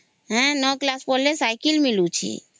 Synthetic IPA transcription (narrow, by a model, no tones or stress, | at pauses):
ɦɛ̃nɔklaspolːesajkilmilut͡ʃʰḭ